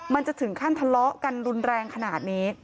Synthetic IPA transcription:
ma˧nt͡ɕa˨˩ʔt̪ʰɯ˩˦ŋkʰa˥˩nt̪ʰa˧lɔ˦˥ʔka˧nɾu˧nɾɛː˧ŋkʰa˧naː˨˩t̪̚niː˦˥

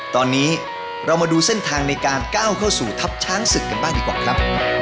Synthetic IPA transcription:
t̪ɔː˧nːiː˦˥ | ɾa˧wmaː˧duː˧se˥˩nt̪ʰaː˧ŋna˧jkaː˧nkaː˥˩wkʰa˥˩wsuː˨˩t̪ʰa˦˥p̚t͡ɕʰaː˦˥ŋsɯ˨˩kːa˧nbaː˥˩ŋdiː˧˩kwaː˨˩kʰɾa˦˥p̚ʰːm

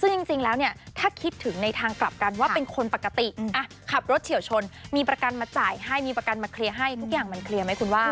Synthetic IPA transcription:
sɯ˥˩ŋt͡ɕi˧ŋt͡ɕi˧ŋlɛː˦˥wni˥˩ɐt̪ʰaː˥˩kʰi˦˥t̪ʰːɯ˩˦ŋna˧jt̪ʰaː˧ŋkla˨˩p̚ka˧nwaː˥˩pe˧nkʰo˧npa˨˩kːa˧t̪i˨˩ʔʔa˧˩ | kʰa˨˩p̚ɾo˦˥t̪̚t͡ɕʰi˩˦wt͡ɕʰo˧nmiː˧pɾa˧ka˧nmaː˧t͡ɕaː˨˩jɦa˥˩jmiː˧pɾa˧ka˧nmaː˧kʰli˧əɦa˥˩jt̪ʰu˦˥k̚jaː˨˩ŋma˧nkʰli˧ɐma˦˥jkʰu˧nwaː˥˩

